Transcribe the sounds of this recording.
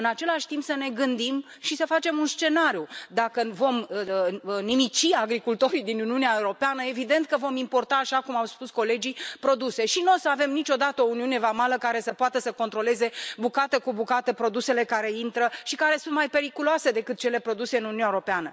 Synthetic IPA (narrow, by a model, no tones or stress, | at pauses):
ɨnat͡ʃe̞laʃʲt̪impsəne̞ɡɨnd̪im | ʃisəfat͡ʃe̞munst͡ʃe̞naɾjud̪akəvo̞m | nimit͡ʃiaɡɾikult̪o̞ɾid̪inuniuneaeuɾo̞peanəe̞vid̪e̞nt̪̚kəvo̞mimpo̞rt̪aːʃakumawspusko̞le̞d͡ʒipɾo̞d̪use̞ʃino̞səave̞mnit͡ʃo̞d̪at̪əo̞uniune̞vamaləkaɾe̞səpoat̪əsəko̞nt̪ɾo̞le̞ze̞bukat̪əkubukat̪əpɾo̞d̪use̞le̞kaɾe̞int̪ɾəʃikaɾe̞sunt̪̚majpe̞ɾikuloase̞d̪e̞kɨt̪̚t͡ʃe̞le̞pɾo̞d̪use̞ɨnununaeɾo̞peanə